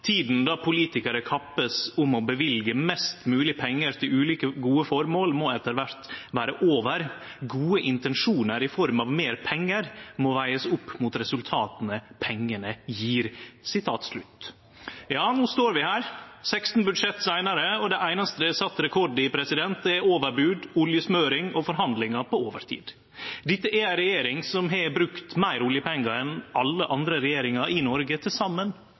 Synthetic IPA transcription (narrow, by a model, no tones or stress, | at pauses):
t̪ʰiːd̪n̩d̪ɑpʰʊliːt̪ɪkəɾəkʰɑpːəsʊmɔbəʋɪlɡəmɛst̪mʉːlɪpʰɛŋːəɾt̪ʰɪlʉːliːkəɡuːəfɔɾmoːlmɔɛt̪ːəɾʋæɾt̪ʋæːɾəʔoːʋəɾ | ɡuːəʔɪnt̪ɛnʂuːnəɾɪfɔɾmɑʋmeːɾpʰɛŋːəɾmɔʋæɪəsʊpːmʊt̪ɾɛsʉlt̪ʰɑːt̪ənəpʰɛŋːəɳəjiːɾsɪt̪ʰɑːt̪slʉt̪ | jɑːnuːst̪oːɾʋɪhæːɾsɛkst̪n̩bʉd̪ʂɛt̪ːsæɪnɑɾəɔd̪ɛʔæɪnɑst̪əɛsɑt̪ːɾɛkʰɔɖɪpʰɾɛsɪd̪ɛnt̪̚d̪ɛæɾoːʋəɾbʉːd̪ʊljəsmøːɾɪŋɔfɔɾɦɑnd̪lɪŋɑpɔoːʋəɾt̪ʰḭːd̪ | d̪ɪt̪ːəʔɛɾæɪɾɛjeːɾɪŋsɔmɦɛbɾʉkt̪mæɪɾʊlɪjəpʰɛŋːɑɾɛnɑlːəʔɑnd̪ɾəɾɛjeːɾɪŋɑʔɪnɔɾɡət̪ʰɪlsɑmːən